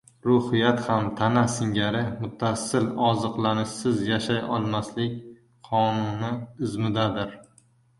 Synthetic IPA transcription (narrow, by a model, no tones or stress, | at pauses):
ɾʊhɪjat̪hamt̪ʰanasɪŋɡʲaɾɪmʊt̪ʰːasɪlɒzɨqlanɪʃsɪzjaʃajɒlˠmaslɪkʲ | qʰɒnʊnɪɪzmɪd̪ad̪ɪɾ